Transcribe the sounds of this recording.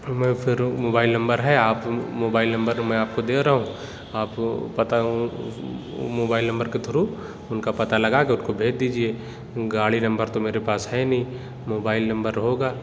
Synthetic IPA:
mɛ̃ːfʰɪɾmoːbaːɪlnɐ̃mbəɾɦɛaːpmoːbaːɪlnɐ̃mbəɾmɛ̃aːp̚kod̪eːɾɐɦũ | aːppɐt̪aũ | moːbaːɪlnɐ̃mbəɾket̪ʰʊɾu | ʊnkapɐt̪alɐɡakeʊnkobʱeːd͡ʒd̪iːd͡ʒie | ɡaːɭinɐ̃mbəɾt̪omeːɾepaːsɦɛnɐɦĩ | moːbaːɪlnɐ̃mbəɾɐɦoːɡaː

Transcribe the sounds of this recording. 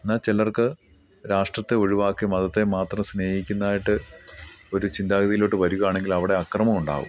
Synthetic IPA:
enːaːt͡ɕelɐrkɨ | ɾaːʂʈrɐt̪ːeo̞ɻiʋaːkːɨmɐðɐt̪ːe̞maːt̪rɐmsne̞ːhikʲːunːaːjiʈːɨ | o̞ɾut͡ɕind̪aːɣɐðijilo̞ʈːɨʋɐɾuɣɐjaːɳe̞ŋɡilɐʋiɽe̞ɐkrɐmɐmuɳɖa̰ːʋṵm

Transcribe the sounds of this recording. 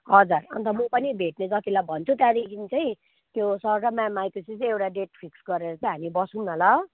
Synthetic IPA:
ɦʌd͡zarʌ̰nt̪ʰʌmʌpʌnibʱeʈned͡zʌt̪ilajbʱʌnt͡sʰut̪ad̪ekʰinit͡saĩ | t̪josʌɾɾʌmamajkusit͡sʌ̃ewʈaɖeʈpʰiksɡʌɾeɾʌt͡sʰʌ̃ɦamibʌsunnʌlʌ

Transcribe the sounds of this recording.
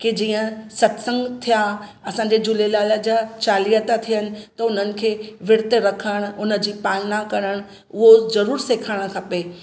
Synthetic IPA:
kid͡ʑiːə̃sɐt̪sə̃ŋɡt̪ʰija | ɐsãːɲd͡ʑed͡ʑʊlelaːləd͡ʑaːt͡ɕaːlijət̪at̪ʰijənɪ̆t̪ɐʊn̤ənɪ̆kʰeːʋɪɽt̪eɾɐkʰəɽ̃ʊnə̆d͡ʑiːpaːlnakɐɾəɽ̃ | ʊɦozɐɾuːɾseːkʰaɽ̃kʰɐpe

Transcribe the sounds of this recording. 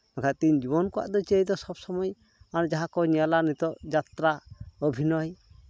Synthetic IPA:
nakʰat̪iɲd͡ʒibɔnkɔa̰ʔd̪ɔt͡ʃejd̪ɔsɔbsɔmɔj | and͡ʒaɦakɔɲalanit̪ɔʔd͡ʒat̪ɾaɔbʱinɔj

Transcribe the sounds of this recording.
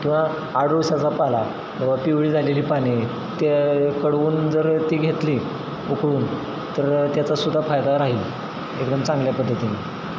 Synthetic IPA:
kĩw̃ʋ̤aː | ɽ̤ɾuʋɕat͡sapala | d͡ʑəʋapiʋɭiːd͡zʱaleliːpañe | t̪ekəɽuːnd͡zəɾt̪iːɡʱet̪li | ukɽuːn | t̪əɾt̪jat͡sasud̪ʱːafajd̪aɾaɦiːl | ekd̪əmt͡sãŋɡljapəd̪ʱːət̪ini

